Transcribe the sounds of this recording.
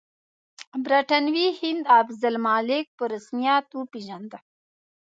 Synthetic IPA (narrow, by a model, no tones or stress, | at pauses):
bɾɐʈɐnwihind̪aːbzɐlmaːlek̚pəɾəsmijaːt̪upiʒɐnd̪a